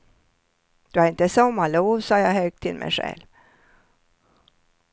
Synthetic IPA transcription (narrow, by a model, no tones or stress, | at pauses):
d̪̥ɵhæɾɪnt̪əsɔmːaɭoːvsɑːjɑhøːɡ̚t̪ʰɪlmɛ̰jɧɛ̰lv